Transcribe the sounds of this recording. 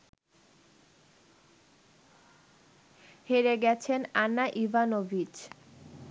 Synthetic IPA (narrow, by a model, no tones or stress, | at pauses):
heɾeɡɛt͡ɕʰenanːaʔibʱanobʱid͡ʑ